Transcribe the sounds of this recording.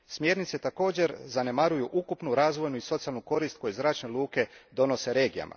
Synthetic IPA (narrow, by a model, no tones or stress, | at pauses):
smje̞ɾnit̪se̞t̪ako̞ːd͡ʑe̞ɾzane̞maɾujuʔukupnuɾaːzʋo̞jnuiso̞t̪sialnuko̞ɾist̪̚ko̞jezɾaːt͡ʃnelˠuːke̞d̪o̞no̞se̞ɾe̞ːɡija̰ma̰